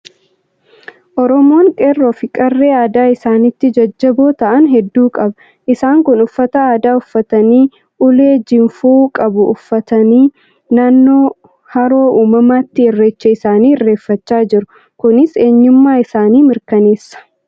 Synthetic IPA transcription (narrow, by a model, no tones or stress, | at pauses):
ʔɔɾɔmo̞ːŋkʼerːoːfɪkʼɐrːeːaːd̪aːɪsaːnɪt̪ːɪd͡ʒɐd͡ʒːɐboːt̪ɐʔɐnɦɛd̪ːuːkʼɐbɐ | ʔɪsaːŋkʊnʊfːɐt̪ɐaːd̪aːʊfːɐt̪ɐniː | ʊle̞ːd͡ʒɪmfuːkʼɐbʊʊfːɐt̪ɐniː | naːnːo̞ː | hɐɾo̞ːʔuːmɐmaːt̪ːɪɪrːeːt͡ʃːɛɪsaːniːɪrːe̞ːfːɐt͡ʃːaːd͡ʒɪɾʊ | kʊnɪse̞ːɲːʊmːaːɪsaːniːmɪɾkɐneːsːɐ̥